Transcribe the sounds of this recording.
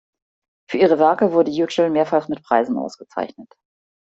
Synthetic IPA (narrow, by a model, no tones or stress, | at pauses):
fyːɐiːʁ̞əvɛɐkəvʊɐdəjuʃəl̩meːɐfalsmɪtpʁ̥aɪzn̩ʔa̰ʊsɡ̥ət͡sa̰ɪçnət